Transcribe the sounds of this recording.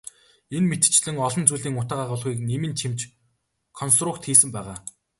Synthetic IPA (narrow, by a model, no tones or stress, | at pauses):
enmet̪̆t͡ɕɮɘ̆ŋɔɮɞ̆nt͡suːɮiːŋʊt̪aːʁaʁʊːɮʁiːknemɘ̆nt͡ɕʰimt͡ɕ | kʰɔns̬t̪rʊkt̪xiːsɘ̆mpæːʁaː